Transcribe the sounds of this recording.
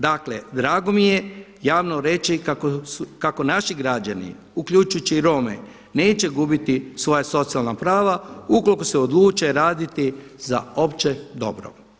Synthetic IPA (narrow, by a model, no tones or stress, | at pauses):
d̪akled̪ɾaːɡo̞mije̞jaːʋnoɾe̞t͡ʃikakoukako̞naʃiɡɾad͡ʒanḭ | ukʎut͡ʃujt͡ʃiɾo̞mḛ | ne̞ːt͡ɕe̞ɡubit̪isʋo̞jaso̞t̪sialnapɾaːʋauko̞likoseod̪lˠuːt͡ʃeɾaːd̪it̪iza̰o̞pt͡ʃed̪o̞̰bɾo̰